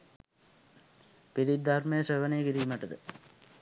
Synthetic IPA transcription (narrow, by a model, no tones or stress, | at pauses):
piɾid̪armejəsəʋənejəkiɾiːməʈəd̪ə